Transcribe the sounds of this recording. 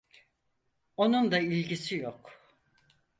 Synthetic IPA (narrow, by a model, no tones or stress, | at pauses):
o̞nund̪ailʲɟisijok